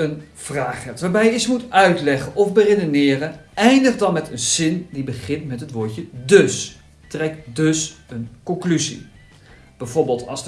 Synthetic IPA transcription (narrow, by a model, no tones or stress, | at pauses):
ən | v̥raːχɛtʋaːɹbɛjɪsəmutœɥtlɛχənʔɔfbəredənɪːrənɛjndəχdɑnmɛtənsɪndibəχɪntmɛtɦətʋʊːɹtədɵs | trɛk̚dɵsənkɔŋklyzḭ | b̥ɛjvoːɹbɪːlˠtɑ̰lˠzd